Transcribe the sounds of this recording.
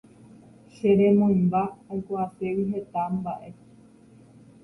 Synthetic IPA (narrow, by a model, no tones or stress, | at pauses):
ʃeɾẽ̞mõjmbaːjkʷaasewiɦe̞t̪ambaʔe̞